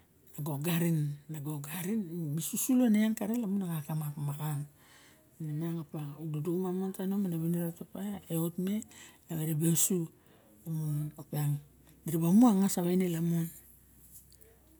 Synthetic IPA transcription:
naɡo̞ɡaɾinːaɡoɡaɾinmisusuloneankaɾelamunaɡakamakmakaŋ | naneaŋapaududukmamontanomanaβiniɾatapajaeotmelaβeɾebeosu | lamunonopeaŋ | diɾiβamuaŋasaβajnelamun

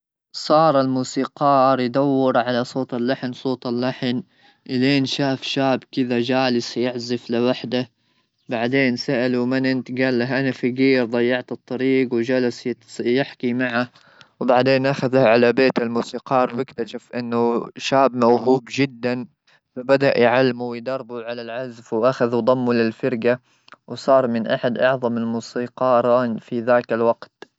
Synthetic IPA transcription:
sˤɑːɾˤalmuːsiːqɑːɾˤjd̪awːɪɾˤʕalasˤoːt̪alːaħnsˤoːt̪ˤɪlːaħn | ʔɪleːnʃaːfʃaːbkɪðad͡ʒaːlɪsjɪʕzɪflɪwaħd̪a | baʕd̪eːnsaʔalumɪnʔɪnt̪ɡaːlːaɦʔanafiɡiːɾd̪ˤɑjːɑʕt̪ɨt̪ˤːɑɾiːɡwd͡ʒalasjɪħkimaʕa | wbaʕd̪eːnʔaxaðaʕalabeːt̪ɪlmuːsiːqɑːɾwɪkt̪aʃafʔɪnːʊʃaːbmawɦuːbd͡ʒɪd̪ːan | fabad̪aʔjʕalːmuwjd̪ɑrˤbuʕalalʕazfwʔaxaðud̪ˤɑmːulɪlfɑɾɡa | wsˤɑːɾˤmɪnʔaħad̪ʔɑʕðˤɑmɪlmuːsiːqɑːɾˤɑnfiðaːkalwaɡt̪

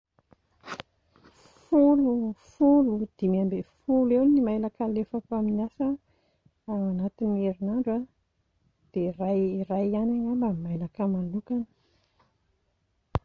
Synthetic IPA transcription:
fulufulud̪̥imiambefulewnimajlakalefapaminiasə | aanat̪ineɾinaɳɖ͡ʐa | d̪̥erajirajanaŋambamajlakəmalukanə̥

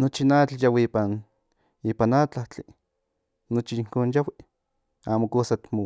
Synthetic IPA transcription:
not͡ʃinat͡ɬjawiiːpan | iːpanat͡ɬaht͡ɬi | not͡ʃiiŋkoːnjawi | aːmokoːsat̪mo

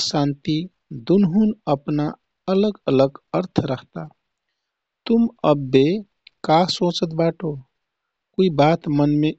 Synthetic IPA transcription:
sãnt̪i | d̪unɦunəpna | ələɡələɡəɾt̪ʰɾəɦt̪a | t̪uməbːe | kasõt͡ʃət̪baʈʰo | koibat̪mənme

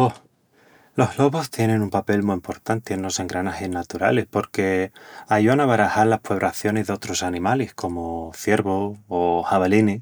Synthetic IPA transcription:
o | lo̞ɦlo̞βo̞st̪je̞nẽnumpape̞lmuimpo̞ɾt̪ant̪eeno̞se̞ŋɡɾanasenːat̪uɾa̰lehpo̞ɾke̞aʝuanaβaɾahaɾlahpeβɾaθjo̞nezðeo̞t̪ɾo̞sanĩmalehko̞moθje̞ɾβo̞ːhaβalini

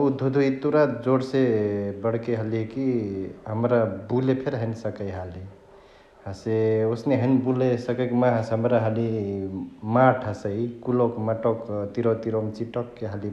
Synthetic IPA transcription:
ud̪ʱud̪ʱuit̪uɾad͡ʒoɽsebəɽ̤keɦəlikiɦəmɾabulepʰeɾɦənisəkəjɦəli | ɦəseosneɦənbulesəkəkmaɦəsɦəmɾaɦəli | maʈʰɦəsəikulokmaʈɔkt̪iɾot̪iɾɔmt͡ʃiʈɔkːeɦəli

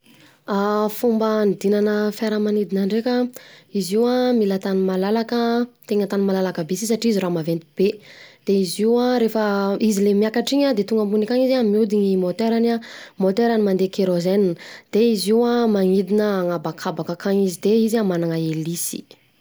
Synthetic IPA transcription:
afumbənid̪inanəfaɾəmanid̪inaɳɖ͡ʐekʲəiziwamilat̪animalalakət̪eɲat̪animalalakəbesis̬aʈ͡ʂiiziɾamavent̪ib̥ed̪̥eiziwaɾefəizilemiakaʈ͡ʂiɲad̪et̪uŋɡəmbunikaŋizamiud̪iɲimot̪eɾanamot̪eɾanimand̪ekeɾozend̪̥eiziwamaŋid̪inəaŋabakʰabakakʰaŋizid̪eizamanaŋəelisi̥

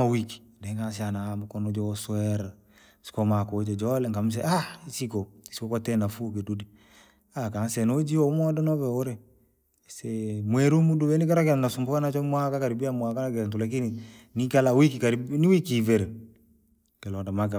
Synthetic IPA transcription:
awiki̥dɛŋas̬ianamukɔnod͡ʒosuɛɾ | skomakod͡ʒed͡ʒɔlɛŋɡams̬ɛʔaisikoisikokɔtɛnafukedudi | akansɛnod͡ʒiomɔdɔnɔβɛoɾe | semwɛɾumudubɛnikaɾakɛnasumbukanat͡ʃɔmwakakaɾibiamwakanakɛɾtulak̬ini | nikalawikikaɾniwikiveɾe | kɛlɔdamaka

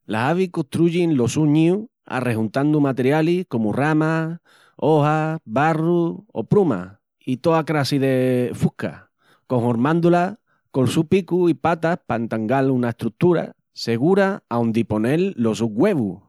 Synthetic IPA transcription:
la̰ɦaβikot̪ɾuʝinlo̞suɲiu | a̰re̞ɦunt̪and̪umat̪eɾjaliko̞murama | o̞haβaruo̰pɾuma̰ | it̪o̞akɾasiðe̞fuhka̰ | ko̞ŋhoɾmãnd̪ula | ko̞lsupikuipat̪apaent̪aŋɡalunaeht̪ɾuk̚t̪uɾa̰ | se̞ɣ̞uɾaaund̪ipo̞nelːo̞suɡwe̞βu

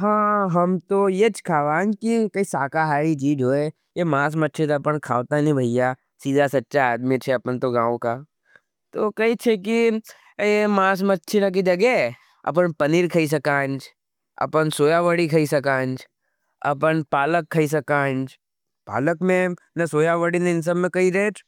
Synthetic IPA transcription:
ɦãːɦɐmt̪ojet͡ʃkʰaːʋaːnd͡ʒkikɐisaːkaɦaːɾid͡ʒiːɖɦoːe | jemãːs̬mətːʃʰit̪aɐpənkʰa̰ːʋt̪anĩbʱɐija | siːd̪ʱasɐtːʃaaːd̪mit͡ʃʰeɐpənt̪oɡãːʋõka | t̪okɐit͡ʃʰeki | emaːs̬mətːʃʰinak̬id͡ʒɐɡɛ | ɐ̰p̬ənpɐniɾkʰɐis̬ɐkãːnd͡ʒ | ɐ̰pənsoːjaʋəɽikʰɐisɐkãːnd͡ʒ | ɐ̰pənpaːləkʰːɐis̬ɐkãːnd͡ʒ | pa̰ːləkmẽ | nɐsoːjaʋəɽineɪnsəbmẽkɐiɾeʈ

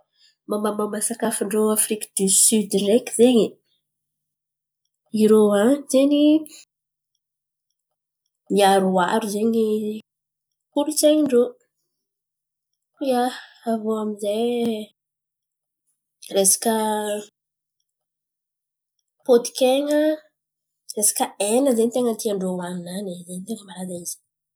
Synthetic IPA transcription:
mamamamasakafəɳɖ͡ʐoafɾikə̥d̪̥ysyd̪irekizeɲi | iɾoazeni | miaɾua̰ɾuzeɲi | kuɾut͡seɲiɳɖ͡ʐo | ja | avoamizaj | resḁkə | pot̪i̥keŋə | resḁkəenəzeɲit̪eŋət̪iaɳɖ͡ʐowannanezeɲit̪eŋəmaɾad̪aiz̥i̥

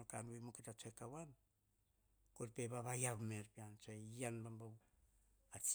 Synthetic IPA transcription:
okanuemoketat͡ʃoekawan | koɾpeβaβajaβmeɾpiant͡ʃoeanbambaw | at͡ʃ

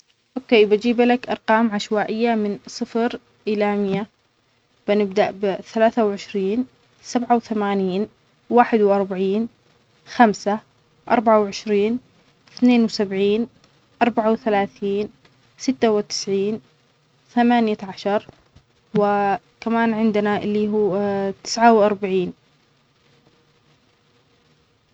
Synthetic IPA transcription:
ʔokeːjbad͡ʒiːblakʔɑɾˤqɑːmʕaʃwaːʔɪjːamɪnsˤɨfɾ | ʔɪlaːmɪjːa | b̥ɪnɪbd̪aʔbɪθalaːθawʕɪʃɾiːn | sabʕawθamaːniːn | waːħɪd̪wʔɑɾˤbaʕiːn | xamsa | ʔɑ̰ɾˤbaʕawʕɪʃɾiːn | θneːnwsabʕiːn | ʔɑɾˤbaʕawθalaːθiːn | sɪt̪ːawɪt̪ɪ̥sʕiːn | θamaːnjaʕaʃɑɾˤ | wɪ | kamaːnʕɪnd̪ɪnaʔɪlːiɦuːt̪ɪ̥sʕawʔɑɾˤbaʕiːn

